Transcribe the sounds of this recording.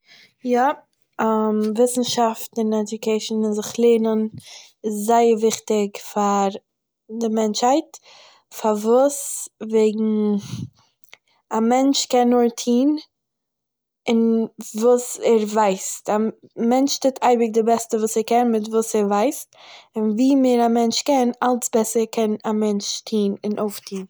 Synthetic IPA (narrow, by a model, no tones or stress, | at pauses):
ja | mvɪsn̩ʃaftn̩ɪnɛdʊkeɪʃn̩ɪnzɪχlˠeːnən | ɪszaɪəɾvɪχtɪkfaɾ | dɪmɛnt͡ʃhaɪt | faɾvuːsveɪɡŋ̩ | amɛnt͡ʃkɛnːotʰiːn | ɪnvuːsɛɾvaɪstamɛnt͡ʃtɪːtʰaɪbɪk̚dɪbɛstəvuːsɛɾkɛnmɪtvuːsɛɾvaɪstɪnviːmeɾamɛnt͡ʃkɛnalˠsbɛsəɾkʰɛnamɛnt͡ʃtʰiːnɪnʔoʊftʰiːn